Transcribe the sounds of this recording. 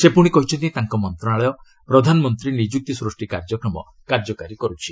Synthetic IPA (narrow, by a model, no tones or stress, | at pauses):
sepuɽ̃ikɔɦit͡ʃʰɔnt̪̬iĩt̪aŋkɔmɔnt̪ɾɔnaɭɔjɔ | pɾɔd̪ʱanɔmɔnt̪ɾinid͡ʒuk̚t̪isɾusʈikaɾd͡ʒɔkɾɔmɔ̰ | kaɾd͡ʒɔkaɾikɔɾut͡ʃʰi